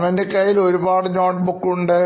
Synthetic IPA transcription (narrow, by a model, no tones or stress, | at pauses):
ʋɐndekɐjːilo̞ɾubaːɽɨɲoːʈbukːuɳɖɨ